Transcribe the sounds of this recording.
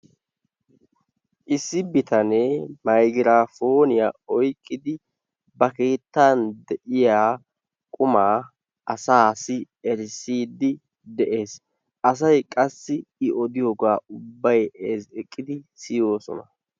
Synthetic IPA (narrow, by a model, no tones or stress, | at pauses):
ʔɪsːɪbɪt̪ɐnemɐjɡɪɾaːfo̞ːnɪjaɔjkʼːɪd̪ɪ | bɐke̞ːt̪ːaːnd̪ɛʔɪjaː | kʼʊmaː | ɐsaːsɪ | ɛɾsiːd̪ːɪ | d̪ɛʔe̞ːs | ʔɐs̬ɐjkʼɐsːɪɪʔɔd̪ɪjoːɡaːʊbːɐjɛzɛkʼːɪd̪ɪsɪjo̞ːsɔ̰nɐ